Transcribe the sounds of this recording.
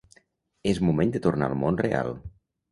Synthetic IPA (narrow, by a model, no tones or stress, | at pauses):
ezmumẽnd̪ət̪urna̰əlˠmonrea̰lˠ